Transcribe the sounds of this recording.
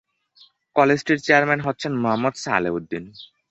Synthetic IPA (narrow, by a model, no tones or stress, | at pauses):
kɔled͡ʑʈiɾt͡ɕeaɾmenɦot̪ːɕʰenmoɦamːɔd̪sa̰ːlebud̪ːin